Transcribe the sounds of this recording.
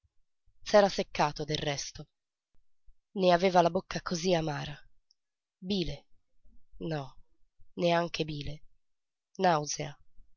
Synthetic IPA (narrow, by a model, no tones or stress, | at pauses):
sɛːɾasekːaːt̪od̪errɛst̪o | neavɛːvalabokːakʰoziamaːɾa | biːle | nɔ | neaŋk̟ebiːle | nawzea